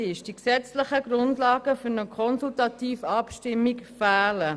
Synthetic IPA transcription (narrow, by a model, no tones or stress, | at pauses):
ɪʃd̥iksɛt͡sləχəɡɾʊndlɑːɡ̥əfʏɾnəkʰɔnsultɑtiːfɑpʃtɪmːikfæːlə